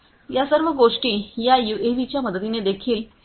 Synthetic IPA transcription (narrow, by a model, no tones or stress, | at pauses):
jasəɾʋəɡoʂʈiːjajueʋit͡ɕjaməd̪ət̪ined̪ekʰiːl